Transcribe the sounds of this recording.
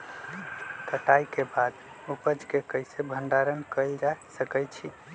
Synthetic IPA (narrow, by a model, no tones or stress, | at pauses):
kəʈajkebad̪ | upəd͡ʒkekəjsebʱəɳɖaɾənkəɪld͡ʒasəkət͡ʃʰi